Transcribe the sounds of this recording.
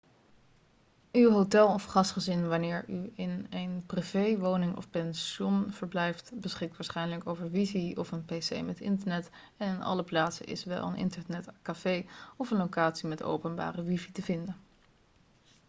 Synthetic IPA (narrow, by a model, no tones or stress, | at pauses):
ywɦowtɛlˠɔfχɑstχəzɪnʋɑnɪːɹyɪnejnprivejʋoːwnɪŋʔɔ̰fpɛnʃɔnv̥əɹblɛjftbəsχɪk̚tʋaːɹsχɛjnələkowvəɹʋiziɔfənpesḛjmɛtɪ̰ntəɹnɛt | ɛnɪnɑ̰ləplaːtsə̰ʔɪ̰sʋɛ̰lˠə̰nʔɪ̰ntəɹnɛtkafejɔfənlokaːtsimɛto̰wpənba̰ːrəʋivitəvɪndən